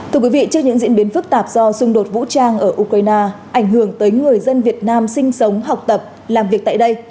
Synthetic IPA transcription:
t̪ʰɨ˧əkwi˨˦vḭ˧˨t͡ɕɨ˦˥əɲɨ̰˧˥ŋzḭ˧˥ənɓi˨˦nfɨ˦˥k̚t̪aː˨˩p̚z̥ɔ˧sʊ˧ŋ͡mɗo˨˩t̚vṵ˧˥t͡ɕaː˧ŋʔəː˧˩ʔu˧kɾaː˧jnaː˧ʔa˧˩jŋ̟ɦɨ˧˩əŋt̪əː˨˦jŋɨ˨˩əjzə˧nvi˨˩ət̚naː˧msï˧ŋ̟sə˨˦wŋ͡mɦa˨˩wk͡p̚t̪ə˨˩p̚ | laː˨˩mvi˨˩ək̚t̪a̰ː˧˨jɗə˧j

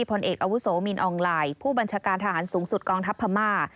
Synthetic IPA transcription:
i˥˩pʰo˧nʔeː˨˩k̚ʔa˧wu˦˥soː˩˦mi˧nʔɔː˧ŋlaː˧jpʰuː˥˩ba˧nt͡ɕʰaː˧kaː˧nt̪ʰa˧ɦaː˩˦nsuː˩˦ŋsu˨˩t̪̚kɔː˧ŋt̪ʰa˦˥pʰːa˧maː˥˩

